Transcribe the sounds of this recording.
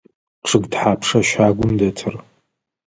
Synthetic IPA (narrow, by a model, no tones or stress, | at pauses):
ʈ͡ʂʰɨɡdħaːpʰʂɐʃaːɡʷʊmdɐtʰɨr